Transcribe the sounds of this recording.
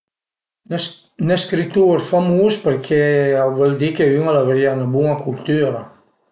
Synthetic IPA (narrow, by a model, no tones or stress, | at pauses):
neskɾit̪uɾfamuspəɾkʰeavɛld̪ikeyŋalaveɾianabuŋakult̪yɾa